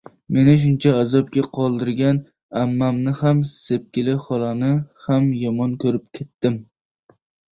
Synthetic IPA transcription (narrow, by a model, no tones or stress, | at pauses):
me̞nɪʃ̬ʊnt͡ʃʰaːzɒp̚kʲaqʰɒlˠd̪ɪɾɡʲan | amːamnɪhamsep̚kʲɪlɪχɒlˠanɪhamjɒmɒnkʰɵɾɪp̚kʲʰet̪ːɪm